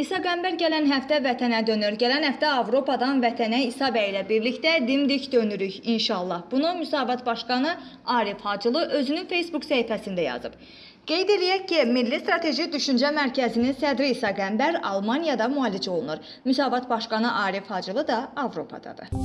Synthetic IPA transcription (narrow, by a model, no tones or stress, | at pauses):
isɑɡæmbæɾɟælænɦæft̪ævæt̪ʰænæd̪ø̞nyɾɟælænhæft̪æɑvɾo̞pʰɑd̪ɑnvæt̪ʰænæisɑbæilæbiɾlict̪æd̪imd̪icd̪ø̞nyɾyçinʃɑːlˠːɑhb̥unumysɑːvɑt̪bɑʃkɑnɯɑːɾifhɑd͡ʒɯlˠɯʔø̞zynynfe̞jsbuksæifæsind̪æjɑ̰zɯb̥ | ɡ̥e̞jd̪e̞lijæcːimilːist̪ɾɑt̪ʰe̞ʒid̪yʃynd͡ʒæmæɾcʰæzininsæd̪ɾiːsɑɡæmbæɾɑ̰lˠmɑnjɑd̪ɑmuɑːlid͡ʒo̞lˠunuɾ | mysɑːvɑt̪bɑʃkɑnɯʔɑːɾifhɑd͡ʒɯlˠɯd̪ɑɑvɾo̞pʰɑ̰d̪ɑ̰d̪ɯ̰